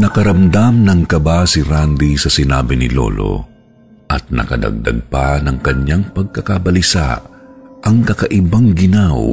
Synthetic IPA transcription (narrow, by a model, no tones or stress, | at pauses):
nɐkɐɾɐmd̪amnɐŋkɐbasiɾand̪isɐsɪna̰ːbɪnɪlo̰lo̰ | ʔɐt̪̚nɐ̰kɐ̰d̪ɐ̰ɡ̚d̪a̰ɡ̚panɐŋkɐɲaŋpɐɡ̚kɐkabɐlɪsa̰ʔɐŋkɐkɐʔɪbaŋɡɪnaw